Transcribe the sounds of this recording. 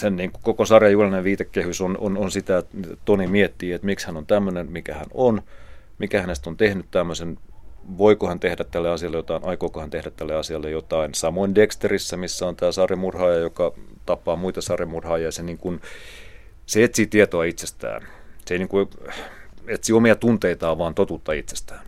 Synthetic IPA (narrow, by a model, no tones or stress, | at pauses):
senniːŋkukokosɑrjɑjulɑineʋʋiːt̪ekːehysono̰nonsit̪æt̪onimiet̪ːiːet̪mikshænont̪æmːønenmikæhæ̰non | mikæhænest̪ont̪ehnyt̪t̪æmːøsenʋoikohɑnt̪ehdæt̪t̪ælːeɑsiɑlːejot̪ɑinʔɑikoːkohɑnt̪ehdæt̪t̪ælːeɑsiɑlːejot̪ɑinsɑmoindekst̪erisːɑmisːæont̪æːsɑrjɑmurhɑːjɑjokɑt̪ɑpːɑːmuit̪ɑsɑremurhɑːjɑjɑseniːŋkun | seet̪siːt̪iet̪oɑit̪sest̪æ̰ːn | seiniːŋku | et̪siːomiɑt̪unt̪eit̪ɑːʋɑːnt̪ot̪ut̪ːɑit̪se̥st̪æːn